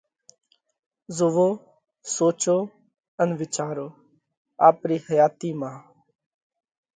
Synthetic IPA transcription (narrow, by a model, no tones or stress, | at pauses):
zʊʋoː | soːt͡ʃoː | ənʋɪt͡ʃaːɾoː | aːpɾiːhəjaːt̪iːmãː